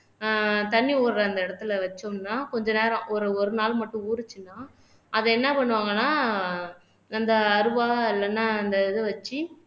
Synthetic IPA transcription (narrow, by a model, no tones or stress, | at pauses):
t̪ɐɳːioːɾlɐɐnd̪ɐɪɽɐt̪ːɯlɐʋɐt͡ʃːomnaːkɔɲd͡ʒɐneːɾɐ̃ʔɔɾɯɔɾɯnaːlmɐʈːɯ̃uːɾɯt͡ʃːɯnːaː | ɐðɛɛnːɐpɐɳːɯʋaːŋɡɐnːaː | ɐnd̪ɐːɾɯʋaːɪlːɐnːaːɐnd̪ɐɛðɯʋɐt͡ʃːɯ